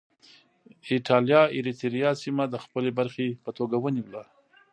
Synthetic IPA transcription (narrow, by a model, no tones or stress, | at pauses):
ɪʈɑljɑɪɾit̪ɾijɑsimad̪əxpəlebaɾxepət̪oɡawəniwla